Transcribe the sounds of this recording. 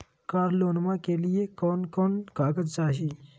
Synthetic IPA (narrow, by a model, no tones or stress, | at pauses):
kaɾlonmakelijekɔnkɔnkaɡət͡sd͡zaɕi